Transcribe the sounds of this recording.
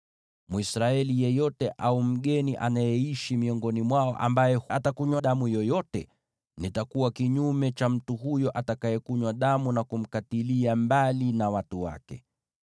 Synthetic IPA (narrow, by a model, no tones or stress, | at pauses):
muisɾaɛlijɛjɔtɛʔaum̩ɠɛniʔa̰najɛiʃimiɔŋɡɔnimwaɔ̰ʔa̰mbajɛhatakuɲwaɗamujɔjɔtɛ̰ | nitakuwakiɲumɛt͡ʃam̩tuɦujɔʔatakajɛkuɲwaɗamunakum̩katiliambalinawatuwa̰kɛ̰